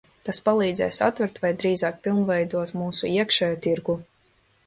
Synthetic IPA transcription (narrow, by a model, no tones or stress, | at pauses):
t̪aspalˠiːd̪zɛ̰ːjsa̰t̪vɛɾt̪vajd̪ɾiːzaːk̚pilˠmvɛjd̪uɔt̪muːsuiɛkʃɛjut̪iɾɡu